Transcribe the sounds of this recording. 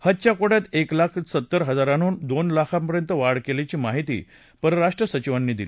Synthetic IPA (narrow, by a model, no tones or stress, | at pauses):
hət̪̚t͡ɕjakoɽjat̪eklakʰsət̪ːəɾɦəd͡zaɾañuːnd̪onlakʰãmpəɾjənt̪əʋaɽkelet͡ɕiːmaɦit̪ḭː | pəɾəɾaʂʈɾəsət͡ɕiʋanːiːd̪ili